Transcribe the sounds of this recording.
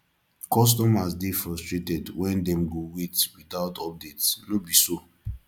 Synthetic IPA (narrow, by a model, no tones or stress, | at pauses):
kɔs̬tɔmasdifɹɔstɹetɛdwɛ̃ndɛ̃mɡowitwitaʊtɔp̚detsnobiso